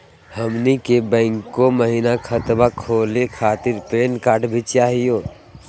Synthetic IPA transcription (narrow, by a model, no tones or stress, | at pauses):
həmnikebɛ̃ːŋkːoməɦinakʰət̪bakʰoːlekʰaːt̪ɪɾpeːnkaːʈbʱit͡ʃaːɦijoː